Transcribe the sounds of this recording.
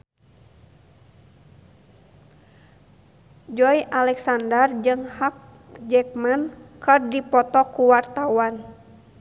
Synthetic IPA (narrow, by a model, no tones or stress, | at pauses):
d͡ʒɔiʔalɛksandərd͡ʒɨŋhak̚ | d͡ʒɛk̚mankɨrdipɔt̪ɔkuwart̪awan